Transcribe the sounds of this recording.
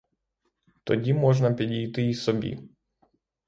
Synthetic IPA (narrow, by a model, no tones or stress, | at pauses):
t̪ɔdʲimɔʐnɐpʲɪdʲɪjt̪ɨisɔbʲḭ